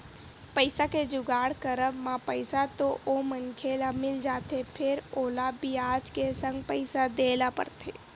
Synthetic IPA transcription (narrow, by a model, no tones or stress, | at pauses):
pəɪsaked͡ʒʊɡaːɽkəɾəbmãpəɪsat̪oʔomənkʰeːlamɪld͡ʒaːt̪epʰɪɾoːlabiaːd͡ʒkesə̃ŋɡpəɪsad̪eːlapə̰ɾt̪ʰḛː